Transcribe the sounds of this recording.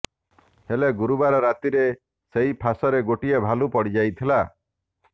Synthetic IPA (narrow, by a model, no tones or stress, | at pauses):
heleɡuɾubaɾɔɾat̪iɾe | seɦipʰasɔɾeɡoʈiebʱalupɔɽid͡ʒajt̪ʰila